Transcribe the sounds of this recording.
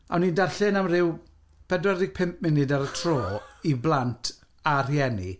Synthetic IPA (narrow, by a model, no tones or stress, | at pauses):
a̰wniːndarɬɨnamrɪw | b̥ɛdwɛɾɪɡ̚pʰɪmp̚ʰmɪnɪdaɾətʰroːiblˠantʰ | ar̥jɛnḭ